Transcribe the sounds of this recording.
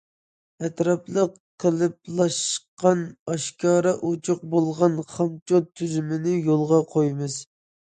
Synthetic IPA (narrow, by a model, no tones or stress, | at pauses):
ɛt̪ɾɑplˠəqʰː | əlˠɨp̚lˠɑʃqɑnɑʃkʰɑːɾɑʔut͡ʃʰʊq̚bolˠʁɑnχɑmt͡ʃʰot̪ʰːyzymɪnɪjolˠʁɑqʰojmɨz